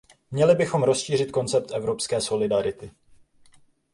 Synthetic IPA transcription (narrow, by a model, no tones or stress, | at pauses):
mɲɛlɪbɪxo̞mɾo̞sʃiːr̝ɪt̪̚ko̞nt͡sɛp̚t̪ʔɛvɾo̞pskɛːso̞lɪdaɾɪt̪ɪ